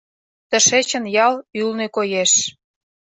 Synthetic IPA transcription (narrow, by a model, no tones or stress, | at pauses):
t̪ə̆ʃet͡ɕə̆njɑlylnekojeʃ